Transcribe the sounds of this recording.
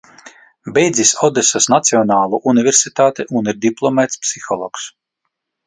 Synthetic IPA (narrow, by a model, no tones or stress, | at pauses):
bʲɛjd̪zʲisɔd̪esasnat̪siɔnaːlˠuʔunivʲeɾsit̪aːt̪eʔuniɾd̪iplˠɔmɛt̪spsixɔlˠɔ̰ːks